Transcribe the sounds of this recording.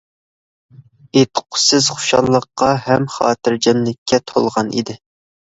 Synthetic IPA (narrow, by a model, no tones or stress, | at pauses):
et̪ʰːə̥qʰʊ̥sɪz̥χʊ̥ʃɑ̰lˠːəqːɑhɛmχɑ̰ːt̪ʰɪɾd͡ʒɑnlɪkʲʰːɛt̪ʰolˠʁɑnḭd̪ɪ